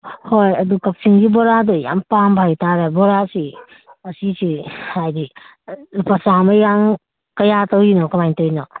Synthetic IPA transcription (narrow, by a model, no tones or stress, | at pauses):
hojɐdukɐp̚siŋɡibɔɾadɔja̰mpambʱajtʰaɾabɔɾasi | ɐsisiajdi | lupasamɐjaŋ | kɐjatɔwinɔkɐmajntɔwinɔ